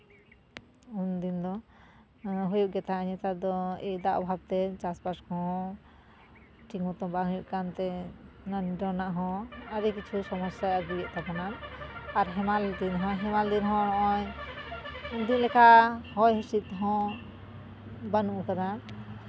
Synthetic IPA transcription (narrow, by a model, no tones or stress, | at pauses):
und̪ind̪ɔ | ɦujuʔɡɛt̪aaɲɛt̪ad̪ɔɛjd̪aʔɔbʱab̚t̪ɛd͡ʒaspaskɔ̃ | ʈiŋɔt̪ɔ̃baɦujuʔkant̪ɛ | nanɖɔnaʔɦɔ̃aɾikit͡ʃʰusɔmɔsjaaɡiɡɛʔt̪abɔnanaɾɦɛmald̪inɦɔ̃ɦɛmald̪inɦɔ̃ɽɔʔɔɲ | und̪inlɛkahɔjɦusit̪̚ɦɔ̃ | banuʔukad̪a